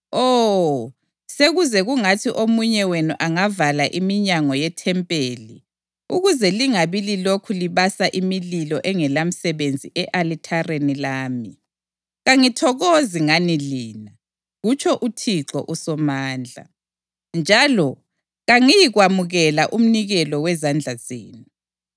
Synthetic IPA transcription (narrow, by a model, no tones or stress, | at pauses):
ɔ | seɣuzɛɣuŋatʰiʔomuɲɛwenuʔaŋavalaʔimiɲaŋɔjɛtʰɛmpʼeːli | uɣuzɛliŋaβililokʰuliβasaʔimililɔʔɛŋɛlam̩sɛβend͡zʱiʔɛʔalitʰarenilaːmi | ɣaŋitʰɔɣoziŋaniliːna | ɣut͡ʃʰɔʔutʰiǁɔ̰ʔusɔmaːnd͡ɮʱa̰ | nd͡ʒʱalɔ | ɣaŋijiɣwamuɣɛlaʔum̩niɣɛlɔwɛzand͡ɮʱaz̥ḛːnu